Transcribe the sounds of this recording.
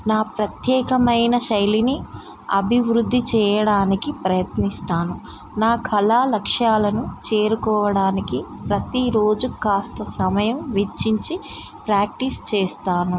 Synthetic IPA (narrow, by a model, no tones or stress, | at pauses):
naːpɾɐt̪jɛːkɐmɐjnɐʃɐjlini | ɐ̰bʱiʋɾud̪ʱːit͡ʃɛːjɐɽaːnikipɾɐjɐt̪nist̪aːnu | naːkɐlaːlɐkʂaːlɐnut͡ʃeːɾukɔːʋɐɽaːnikipɾɐt̪iɾo̞ːd͡ʒukaːst̪ɐsɐmɐjɐmʋet͡ʃːiɲt͡ʃi | pɾaːk̚ʈist͡ʃɛːst̪aːnu